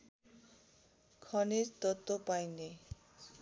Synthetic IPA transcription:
kʰʌneɾt̪ʌt̪ːopajne

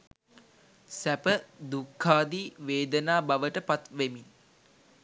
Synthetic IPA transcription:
sæpəd̪ukʰːaːd̪iːʋeːd̪ənaːbaʋəʈəpat̪ʋemin

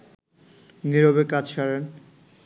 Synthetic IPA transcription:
niɾobekat͡ɕʰʃaɾen

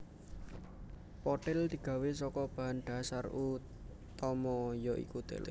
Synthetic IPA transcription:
pɔʈɛld̪̥i̤ɡ̥ä̤wesɔkɔb̥a̤ɦanɖ̪̥a̤sarʔu | t̪ɔmɔjɔʔḭkud̪̥ɛ̰l

